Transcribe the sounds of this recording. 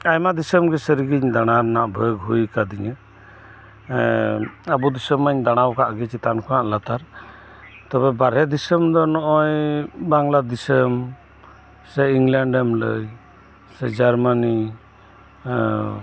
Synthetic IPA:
ajmad̪isəmɡɛsəɾiɡiɲd̪aɽ̃aɾnaʔbʱəɡɦujkad̪iɲɛ | abud̪isəmaɲd̪aɽ̃awkaʔɡɛt͡ʃit̪ankʰɔnaʔlat̪aɾ | t̪ɔbɛbaɾɦɛd̪isəmd̪ɔnɔʔɔjbaŋlad̪isəm | sɛjiŋlaɳɖɛmlə̰j | sɛd͡ʒaɾmani

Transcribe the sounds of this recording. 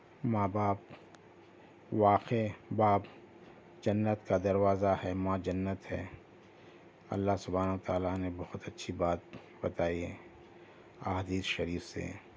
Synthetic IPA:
maːbaːp̚ | ʋaːqebaːp | d͡ʒɐnːət̪kad̪ɐɾwaːzahɛmãːd͡ʒɐnːət̪ɦɛ̰ | ɐ̰lːaɦsʊbʱaːnəət̪aːlanebɐhʊt̪ɐtːʃʰibaːt̪̚ | b̥ɐt̪aːie | aɦd̪iːsʃɐɾiːfsḛ

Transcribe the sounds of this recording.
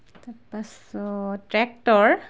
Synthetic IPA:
t̪ɔɾpas | ʈɾɛk̚ʈɔɾ

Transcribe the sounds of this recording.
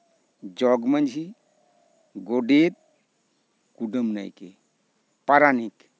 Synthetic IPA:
d͡ʒɔɡmənd͡ʒʱi | ɡoɖet̪̚ | kuɖəmna̰jke | paɾanik

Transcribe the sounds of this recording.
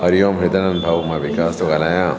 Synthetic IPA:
ɐɾijoːmɦed̪ɐnɐnbʱaʋmaʋikaːst̪oɡɐlajã

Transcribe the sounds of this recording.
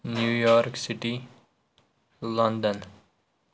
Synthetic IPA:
njuːjɔːɾksiʈi | lʌ̃nɖə̃n

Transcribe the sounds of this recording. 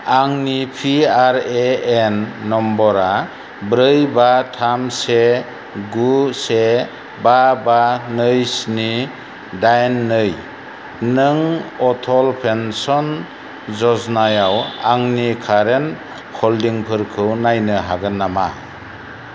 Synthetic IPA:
aŋnipʰiaɾeenːɔmbɔɾa | bɾɯjbatʰamse | ɡuse | babanɯjsni | dajnːɯj | nɯŋɔtʰɔlpʰensɔn | zɔznajawaŋnikʰaɾen | kʰɔldiŋpʰɯɾkʰɯwnajnɯɦaɡɯnːama

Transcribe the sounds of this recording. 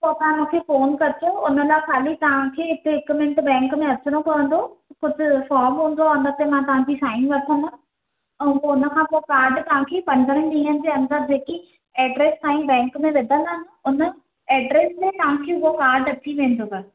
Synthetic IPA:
poːt̪ɐãmũkʰeːfoːnkɐɾt͡ɕoʊnə̆laxaːlit̪ɐʋ̤ãkʰeːɦɪt̪eɦɪkmẽɳʈbɛ̃ːŋkmẽɐt͡ɕʊnokɐʋə̃n̆d̪okʊd͡ʑʱʊ̆fɔːɾmɦũːn̆d̪oʊnd̪ət̪emãt̪ɐʋ̤ãkisaːɪ̃ŋɡʋɐt̪ʰəna | ɛ̃ːpoʊnə̆kʰãːpoːkaːɾɖt̪ɐʋ̤ãkʰeːpɐ̃nd̪əɾənɗĩːɦənɪ̆d͡ʑeːɐ̃nd̪əd͡ʑeːki | ɛːɖɾeːst̪aːĩbɛ̃ːŋkmẽʋɪd̪ʱə̃nd̪anɪ̆ʊnə | ɛːɖɾeːsmẽt̪ɐɦãkʰeːʊokaːɾɖɐʈ̪ʰiʋẽːn̆d̪ʱokɐɾ

